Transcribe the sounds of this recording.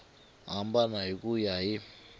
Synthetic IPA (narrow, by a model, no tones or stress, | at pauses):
ambanaikujaji